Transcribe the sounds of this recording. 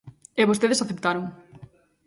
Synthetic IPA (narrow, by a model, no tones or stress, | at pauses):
eβost̪eðesaθept̪aɾoŋ